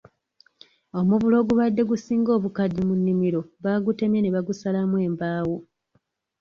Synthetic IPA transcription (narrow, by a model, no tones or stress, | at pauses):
o̞muvulo̞ːɡuβadːe̞ɡusiːŋɡo̞ːβukadimunːimiɾo̞βaːɡute̞mjeneβaɡusalamwe̞ːmbaːwu